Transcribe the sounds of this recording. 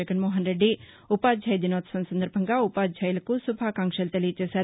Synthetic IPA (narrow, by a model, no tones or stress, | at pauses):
ɐɡɐnmoːɦɐnɾeɖi | upaːd͡ʒʱɐjd̪inoːt̪sɐnsɐnd̪ɐɾbʱɐŋɡɐupaːd͡ʒʱɐjlɐkusubʱakaːŋkʃɐlt̪ɐliːt͡ʃesɐ